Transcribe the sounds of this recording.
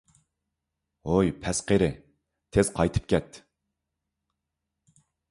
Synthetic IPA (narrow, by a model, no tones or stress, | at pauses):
ojpʰɛsqeɾɪ | t̪ʰez̥qʰɑjt̪ʰɨ̥p̚kʲɛt̪